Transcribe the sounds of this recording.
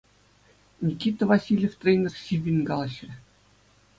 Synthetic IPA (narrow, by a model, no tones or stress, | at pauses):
nʲikʲːit̪ə̆vɑsʲilʲeft̪rʲejnʲerɕiʋʲːinʲɡɑlˠɤ̆ɕrʲɘ̆